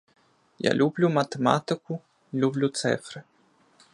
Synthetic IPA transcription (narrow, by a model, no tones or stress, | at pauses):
ja̰lʲublʲumɐt̪ɛma̰t̪ɨku | lʲublʲut̪sɛ̰fɾɨ